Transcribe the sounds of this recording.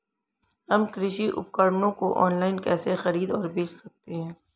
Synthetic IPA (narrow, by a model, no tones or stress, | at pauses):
ɦɐmkɾɪʃiʔʊ̰p̚kəɾnõkoʔɔːnlaːɪnkɛːsexɐɾiːd̪ɔːɾbeːt͡ʃsɐk̚t̪eɦɛ̃ː